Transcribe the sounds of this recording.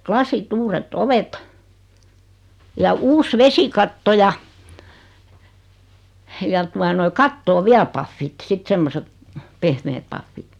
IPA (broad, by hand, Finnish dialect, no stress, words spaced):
klɑsit uːretː oʋet jɑ uːs ʋesikɑtːo jɑ jɑ tuɑ noi kɑtːoː ʋiæl pɑfːit sit semːoset pehmeːt pɑfːit